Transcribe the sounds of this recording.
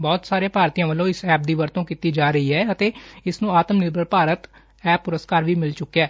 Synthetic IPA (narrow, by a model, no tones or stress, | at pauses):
bɔːt̪saːɾẽːpaːɾt̪iːãːʋəlːõːɪsɛːp̚d̪iːʋəɾt̪õːkiːt̪iːd͡ʒaːɾəiːɦɛːət̪eːɪsnũːaːt̪əmnɪɾbəlpaːɾət̪ | ɛːpːʊɾəskaːɾʋiːmɪlt͡ʃʊkːɛː